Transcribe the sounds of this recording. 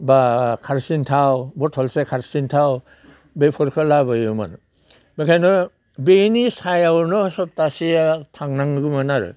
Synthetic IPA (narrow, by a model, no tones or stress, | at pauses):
bakʰaɾsintʰawbɔtʰɔlsekʰaɾsintʰaw | bepʰɔɾkʰɯlabɔjuma̰n | bekʰajnɔ | benisajawɾnɔsɔp̚tasiatʰaŋnaŋɡɯmanaɾɯ̰